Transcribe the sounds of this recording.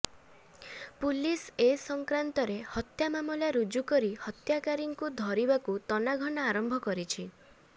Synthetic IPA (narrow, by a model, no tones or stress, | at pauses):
pulisesɔŋkɾant̪ɔɾehɔt̪jamamɔljaɾud͡ʒukɔɾihɔt̪jakaɾiŋkud̪ʱɔɾibakut̪ɔnaɡʱɔnɔaɾɔmbʱɔkɔɾit͡ʃʰi